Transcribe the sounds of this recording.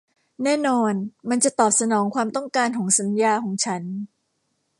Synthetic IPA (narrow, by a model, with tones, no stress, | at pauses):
nɛː˥˩nɔː˧nma˧nt͡ɕa˨˩t̪ɔː˨˩p̚sa˧nɔː˩˦ŋkʰwaː˧mt̪ɔ˥˩ŋkaː˧nkʰɔː˩˦ŋsa˩˦njaː˧kʰɔː˩˦ŋt͡ɕʰa˦˥n